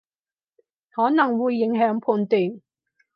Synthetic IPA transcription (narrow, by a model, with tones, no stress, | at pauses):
hɔː˨˥nɐ˨˩ŋwuː˨˧jːɪ˨˥ŋɦœː˨˥ŋpʰuː˧nt̪iː˨˩ŋ